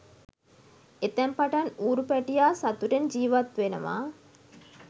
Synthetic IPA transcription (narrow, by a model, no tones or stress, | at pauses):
et̪ɛmpaʈanuːɾupɛʈijaːsat̪uʈend͡ʒiːʋat̪ʋenə̰ʋa̰ː